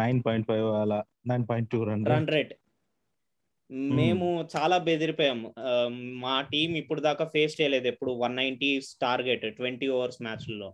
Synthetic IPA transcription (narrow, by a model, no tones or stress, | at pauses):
nɐjnpɔːjiɳʈ̚pajʋaːla | najnpɔːjɳʈ̚ʈːuːɾɐɳɾɐɳɖɾeɖ | meːmut͡ʃaːlaːbed̪iɾipɔːjam | maːʈiːmipːuɽud̪aːkaːpʰeːst͡ʃɛjɐleːd̪uepːuɽuʋɐnːɐjɳʈisʈaːɾɡeʈʈʋeɳʈiːɔʋɐɾsmaːt͡ʃllːo̞ː